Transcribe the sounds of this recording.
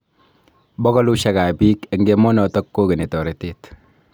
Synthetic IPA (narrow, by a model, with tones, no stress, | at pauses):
bɔ˦kɔ˦lu˦ʃa˨ka˨biː˦ke˨ŋɡe˦mɔ˦nɔ˨tɔ˦kːo˦ɡe˨ne˨tɔ˨ɾe˨te˦t